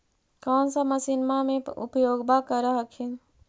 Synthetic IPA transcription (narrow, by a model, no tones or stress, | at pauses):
kɔːnsəməsinmameṵpjoɡbakəɾəɦəkʰin